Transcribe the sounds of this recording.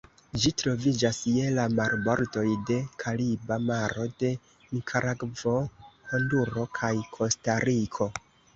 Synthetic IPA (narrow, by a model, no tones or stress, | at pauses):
d͡ʒitɾo̞vid͡ʒasjelamaɾbo̞ɾdo̞jde̞kʰalibamaɾo̞de̞ | mikʰaɾaɡvo̞ho̞nduɾo̞kʰajkʰo̞staɾikʰo̞